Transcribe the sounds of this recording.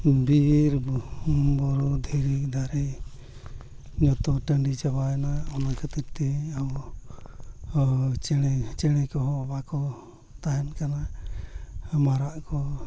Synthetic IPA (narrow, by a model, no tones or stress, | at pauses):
biɾ | bɔɾɔd̪ʱɛɾikd̪ʱaɾɛ | ɲɔt̪ɔʈəɳɖit͡ʃabaɛnaɔnakat̪iɾt̪ɛaw | t͡ʃɛt͡ʃɛɽ̃ɛkɔɦɔbakɔ | t̪aɦɛnkana | maɾaʔkɔ